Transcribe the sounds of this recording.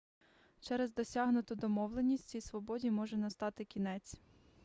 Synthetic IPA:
t͡ʃɛɾɛzd̪ɔsʲɑɦnʊt̪ʊd̪ɔmɔwlˠenʲisʲtʲt͡sʲijsʋɔbɔdʲimɔʒɛnɐst̪ɑt̪ɪkʲinɛt͡sʲ

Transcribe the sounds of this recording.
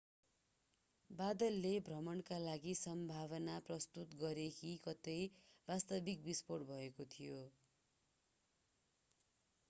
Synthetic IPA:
bad̪ʌlːebʱrʌmʌɳkalaɡisʌmbʱaβʌnaprʌst̪ut̪ɡʌɾekikʌt̪ʌjbast̪ʌbik̚bisporʈbʱʌekot̪ʰijo

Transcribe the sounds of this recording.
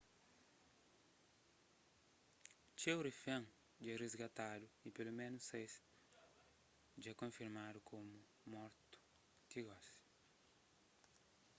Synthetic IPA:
t͡ʃewɾifɐ̃ŋ | d͡ʒɛrezɡat̪ad̪ʊipelomẽnʊsejs | d͡ʒɛkõfiɾmad̪ʊkʰomʊ | mɔɾt̪ʊ̥ | kiɡɔs

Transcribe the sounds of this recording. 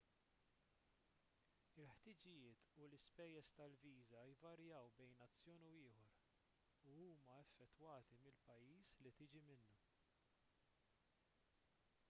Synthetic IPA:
ɪlħt̪ɪːd͡ʒɪjɪːt̪ulɪspɛjːɛst̪ɐlviːzɐɪvɐɾjɐwbɛjnɐt͡sːjɔːnuɪːħɔɾ | uuːmɐɛfːɛt̪ːwɐːt̪imɪlpɐjːiːslit̪ɪːd͡ʒimɪnːu

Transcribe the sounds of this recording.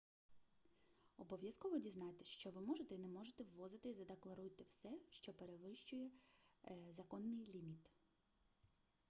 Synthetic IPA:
ɔbɔʋʲjɐskɔʋɔdʲiznɑt̪ɪ̥ʃt͡ʃɔʋɪmɔʒet̪ɛinɛmɔʒet̪ɛwːɔzɪt̪ɪizɐd̪eklˠɐɾujt̪ɪwsɛʃt͡ʃɔpeɾeʋɪʃt͡ʃʊjɛ | zɐkɔnːɪjlʲimʲit̪

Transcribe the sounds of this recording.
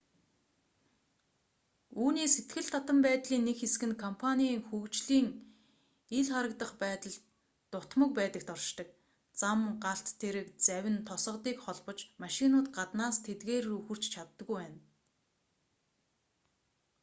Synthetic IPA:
uːniːset̪ɡɘ̆ɮt̪ʰat̪ə̆mpæːt̪ɮiːnːekxesɡɘ̆nkʰɔmpʰanʲiːŋxukt͡ɕɮiːŋ | iɮχaɾə̆k̚t̪ə̆χpæːt̪ə̆ɮ | t̪ʊt̪mə̆k̚pæːt̪ə̆k̚t̪ɔrʃt̪ə̆k̚ | t͡samɢaɬt̪ʰːeɾɘ̆kt͡sæwʲɪ̆nt̪ʰʊsə̆t̪iːkχɔɮpɞ̆t͡ɕmaʃɪnʊːt̪ɢat̪naːst̪ʰet̪ɡeːruxɵ̆r̥t͡ɕt͡ɕʰat̪ːə̆ɣujwæːn

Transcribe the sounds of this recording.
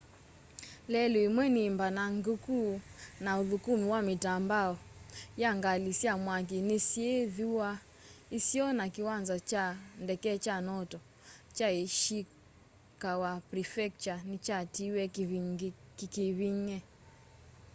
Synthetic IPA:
lɛluimwɛnimbanaŋɡukunauðukumiwamitambaɔjaŋɡalisiamwak̬inisieðuwa | isiɔnakiwanzat͡ʃandɛkɛt͡ʃanɔtɔ | t͡ʃaeʃi | kawapɾifɛk̚t͡ʃanit͡ʃatiwɛ | kikiβiɲɛ

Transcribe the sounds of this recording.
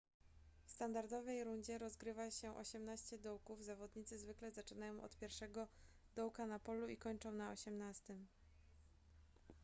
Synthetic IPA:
fst̪and̪aɾd̪ɔvɛjɾuɲd͡ʑɛɾɔzɡɾɘvaɕɛʔɔ̰ɕɛmnaɕt͡ɕɛd̪ɔwkuvzavɔd̪ɲit̪sɘzvɘklɛzat͡ʂɘnajɔ̃w̃ʔɔ̰t̪pʲjɛɾfʂɛɡɔ | d̪ɔwkanapɔluikɔɲt͡ʂɔ̃w̃naɔɕɛmnast̪ɘm

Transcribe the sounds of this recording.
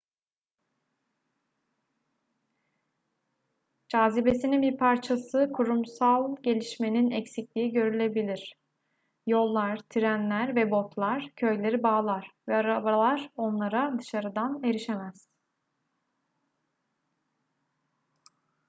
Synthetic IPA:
d͡ʒaːzibe̞sininbiɾpʰaɾt͡ʃʰasɯkʰuɾumsalˠɟe̞lʲiʃme̞ninɛcsiclʲiːiɟø̞ɾylʲe̞bilʲiɾ̥ | jo̞lˠːaɾ̥t̪ʰiɾænlʲæɾvɛbo̞t̪lˠaɾ̥cʰø̞jlʲe̞ɾibaːlˠaɾ̥vɛaɾabalˠaɾo̞nlˠaɾad̪ɯʃaɾɯd̪ane̞ɾiʃemæz̥

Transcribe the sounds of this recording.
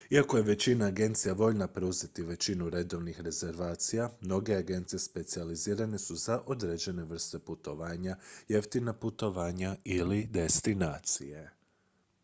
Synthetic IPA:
iako̞je̞ʋe̞t͡ɕinaːɡe̞nt̪sijaʋo̞ʎnapɾeuze̞t̪iʋe̞t͡ɕinuɾe̞d̪o̞ʋnixɾe̞ze̞ɾʋaːt̪sijamno̞ɡe̞aɡe̞nt̪sije̞spe̞t̪sializiːɾane̞suzaʔo̞d̪ɾe̞d͡ʑe̞ne̞ʋr̩st̪e̞put̪o̞ʋaːɲajeft̪inaput̪o̞ʋaːɲailid̪e̞st̪inaːt̪sḭje̞

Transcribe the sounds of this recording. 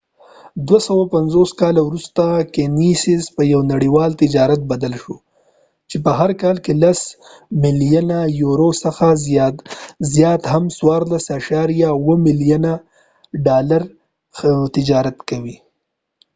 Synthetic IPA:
d̪wasawapanzoskɑlawɾust̪akenisɪzpəjawnaɽiwɑlt̪ɪd͡ʒɑɾat̪̚bad̪alʃo | t͡ʃepəɦaɾkɑlkelas | mɪljanajuɾosəxa | zjɑt̪hamswɑɾlasaʃɑɾjawəmɪlijana | ɖɑlaɾ | t̪ɪd͡ʒɑɾat̪kawi

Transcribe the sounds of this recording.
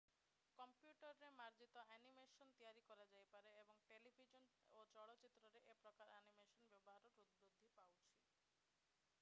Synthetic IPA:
kɔmpjuʈɔɾːemaɾd͡ʒit̪ɔɛnimesɔnt̪ijaɾikɔɾad͡ʒajpaɾeebɔŋʈelibʱid͡ʒɔnot͡ʃɔɽɔt͡ʃit̪ɾɔɾeʔepɾɔkaɾɛnimesɔnbjɔbɔɦaɾɔɾud̪̚bɾud̪ʱːipawt͡ʃʰi

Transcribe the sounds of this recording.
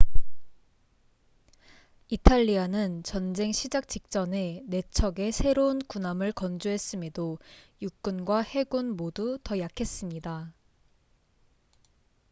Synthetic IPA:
itʰaʎːianɯnt͡ɕʌnd͡ʑe̞ŋɕʰid͡ʑak̚t͡ɕ͈ik̚t͡ɕ͈ʌne̞ne̞t͡ɕʰʌɡe̞sʰe̞ɾounkunamɯɭkʌnd͡ʑuɦe̞s͈ɯme̞dojuk̚k͈unɡwahe̞ɡunmodutʌjakʰe̞s͈ɯmɲida

